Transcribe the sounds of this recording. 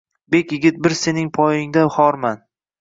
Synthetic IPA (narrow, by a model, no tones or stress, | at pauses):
bekʲjɪɡʲɪt̪̚bɪɾse̞nɪŋpʰɒjɪŋd̪ahɒɾman